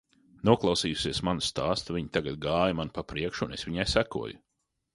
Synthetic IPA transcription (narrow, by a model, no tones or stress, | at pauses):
nuɔklˠɑwsiːjusiɛsmanu̥st̪aːst̪vʲiɲit̪aɡat̪̚ɡaːjumanpapɾiɛkʃːnesʋiɲajsækṵɔjʊ